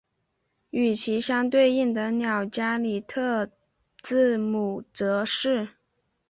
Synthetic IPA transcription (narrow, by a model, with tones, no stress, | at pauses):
y˨˩t͡ɕʰi˧˥ɕjɑ˥ŋt̪we˥˧ɪi˥˩ŋd̪ə˨njɑ˨˩ʊt͡ɕja˥li˨˩t̪ʰɤ˥˧ | t͡sɹ̩˥˩mu˨˩ʈ͡ʂɤ˧˥ʂɻ̩˥˩